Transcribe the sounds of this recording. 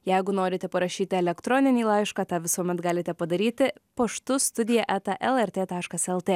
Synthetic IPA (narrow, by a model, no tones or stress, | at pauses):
jɛɪɡʊnoːɾʲɪt̪ʲɛpɐɾɐʃʲiːt̪ʲɪɛlʲɛkt̪ɾɔːnʲɪnʲiːlˠɑɪʃkɑːt̪ɑːʋʲɪsuɔmʲɛt̪ɡɑːlʲɪt̪ʲɛpɐd̪ɐɾʲiːt̪ʲɪpɐʃt̪ʊst̪ʊd̪ʲɪjɛʔæːt̪ɐʔɛlˠɛɾʲt̪ʲeːt̪ɑːʃkɐsɛlˠt̪ʲeː